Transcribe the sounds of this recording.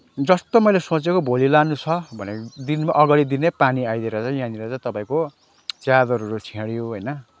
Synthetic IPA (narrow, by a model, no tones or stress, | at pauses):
d͡zʌst̪omʌjlesõt͡sekobʱolilanut͡sʰʌbʱʌned̪inmaʔʌɡaɽid̪inepaniajd̪eɾʌt͡sãj̃jãniɾʌt͡sãj̃t̪ʌpaĩko | t͡sjad̪ʌɾuɾut͡sʰẽɽjoɦʌjnʌ